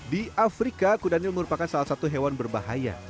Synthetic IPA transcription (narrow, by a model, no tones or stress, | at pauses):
diʔafɾikakudanilməɾupakansalahsat̪uɦewanbərbaɦaja̰